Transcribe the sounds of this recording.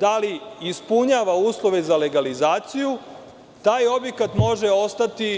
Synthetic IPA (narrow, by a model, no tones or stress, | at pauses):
d̪aliispuɲaːʋauːslˠo̞ʋe̞zale̞ɡalizaːt̪siju | t̪aːjo̞bje̞kat̪mo̞ʒeo̞st̪at̪i